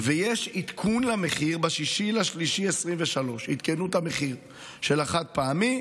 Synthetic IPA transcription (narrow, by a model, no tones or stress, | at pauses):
vejeʃit̪kʰunlameχiʁbaʃiʃilaʃliʃiesʁimveʃalo̞ʃit̪kenuthameχiʁ | ʃelaχat̪̚paami